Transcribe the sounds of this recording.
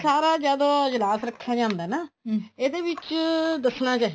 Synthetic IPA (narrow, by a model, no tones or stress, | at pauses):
saːɾaːd͡ʒjaːd̪oːd͡ʒɪlaːsɾəkʰːaːd͡ʒãːnd̪aɛːnaːeːd̪eːʋɪt͡ʃd̪əsnaːt͡ʃaːɦi